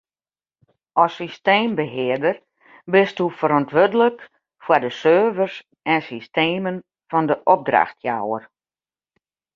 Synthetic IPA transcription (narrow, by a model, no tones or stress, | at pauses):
ɔsisteːmbəɦɪədər | bɪstufəɾɔntʋødələk | fwadəsøːvərs | ɛnsisteːmən | fɔndəʔɔb̚dra̰xtʰja̰wər